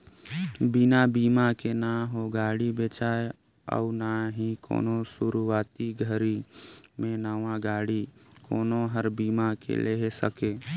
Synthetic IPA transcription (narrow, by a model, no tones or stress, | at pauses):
binabiːmakenaɦoɡaːɽibeːt͡ʃaːe | ə̰ʊnaɦiko̰ːnosuɾuaːt̪iɡʱəɾimẽnəʋãɡaːɽikoːnoɦəɾbiːmakḛleɦesəke